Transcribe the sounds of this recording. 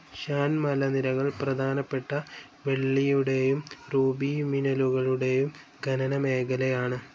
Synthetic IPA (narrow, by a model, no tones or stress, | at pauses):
ɕaːnmɐlɐniɾɐɣɐɭprɐd̪ʱaːnɐpːe̞ʈːɐ | ʋe̞ɭːijuɽe̞jumruːbiminɐluɣɐɭuɽe̞jum | ɡʱɐnɐnɐme̞ːɡɐlejaːɳɨ